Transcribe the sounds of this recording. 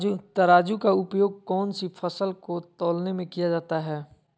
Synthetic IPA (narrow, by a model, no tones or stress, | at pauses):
ut̪ɐɾaːd͡ʒukaʊpjoːɡ̚kɔːnsifʰɐsəlkot̪ɔːlnemẽkijad͡ʒaːt̪aɦɛː